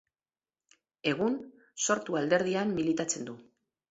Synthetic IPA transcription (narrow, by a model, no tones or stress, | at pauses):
e̞ɣ̞un | so̞ɾt̪uald̪e̞ɾð̞iamːilit̪at͡se̞nd̪u